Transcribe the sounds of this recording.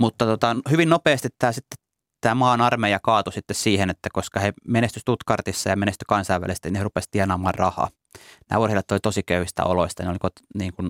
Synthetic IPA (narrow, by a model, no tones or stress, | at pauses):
mut̪ːɑt̪ot̪ɑnhyʋinnopeːst̪it̪tæːsit̪ːe̥ | t̪ːæːmɑːnɑrmejɑkɑːt̪usit̪ːessiːhenet̪ːækoskɑhemenest̪yst̪ut̪kɑrt̪isːɑjɑmenest̪y̥kɑnsɑiʋæ̰list̪æninherupest̪iænɑːmɑːrrɑhɑ̰ː | næ̰ːorhilːɑt̪ːolit̪osikøyhist̪æ̰o̰loist̪ɑneolikot̪niːŋkun